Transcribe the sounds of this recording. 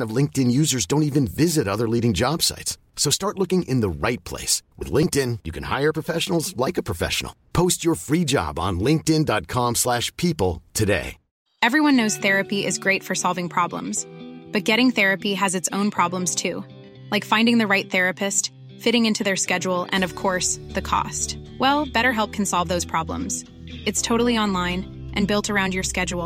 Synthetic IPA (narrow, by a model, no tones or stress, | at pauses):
nʌvlɪ̃ŋk̚tɨ̃njʉzə˞zdõʊ̃ntivɨ̃nvɪzɨɾʌðə˞liɾɪ̃ŋd͡ʒɑb̥sa̰ɪts | soʊstɑɹtˡlʊkɪ̃ŋʔɨ̃nðəɹa̰ɪt̚pʰl̥ḛɪswɨ̰ðlɪ̃ŋk̚tɪ̃njɨkʰɨ̃n̩ha̰ɪə˞pʰɹ̥əfɛʃn̩l̩ˠzlaɪkəpʰɹ̥ɨfɛ̰ʃn̩l̩ˠpʰoʊst͡ʃə˞fɹid͡ʒɑ̰b̃n̩lɪ̃ŋk̚tɪ̃ndɑt̚kʰɑ̃mslæʃpʰipl̩ˠtʰɨdḛɪ | ɛvɹiwʌ̃nːoʊz̥θɛɹɨpiɪzɡɹeɪtfə˞sɑlˠvɪ̃ŋpʰɹ̥ɑblə̰̃mz̥b̥ʌt̚ɡ̥ɛɾɪ̃ŋθɛɹɨpiɨzɨtsõʊ̃npʰɹ̥ɑblə̃mz̥tʰʉ | laɪkfãɪ̃ndɪ̃ŋðɨɹaɪt̪̚θɛɹɨpʰɨst | fɪɾɪ̃ŋɪ̃ntʰʉðə˞skɛd͡ʒl̩ˠʔɨ̰̃nʌv̥kʰɔɹsðɨkʰɔ̰stwɛlˠb̥ɛɾə˞ɦɛlˠp̚kʰn̩sɑlˠvðoʊz̥pʰɹ̥ɑblə̰̃mz̥ | ɨtstʰoʊɾl̩ˠiɑ̃nlãɪ̃n | ʔɨ̃nbɪlˠtʰə˞ãʊ̃ndjə˞skɛd͡ʒul̩ˠ